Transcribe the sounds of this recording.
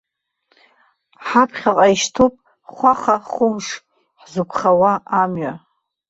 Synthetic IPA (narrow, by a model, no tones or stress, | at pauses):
ħapʰχʲalʼaiʃtʰopʼ | χʷaχaχʊmʂ | ħzɨkʷʰχawaamɥa